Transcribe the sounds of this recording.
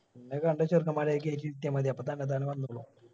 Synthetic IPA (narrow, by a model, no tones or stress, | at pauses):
enːekɐɳɖɐɕɐrkʰɐmaːɾekːeːtːiit̪jɐmɐd̪iɐpːot̪ɐnːet̪aːneʋɐnːuɭu